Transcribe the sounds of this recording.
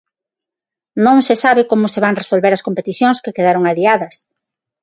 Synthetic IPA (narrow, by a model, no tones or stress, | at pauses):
nõŋsesaβɪkomʊseβaŋresolβeɾɐskompet̪iθjõŋskekeðaɾoŋaðiaðɐs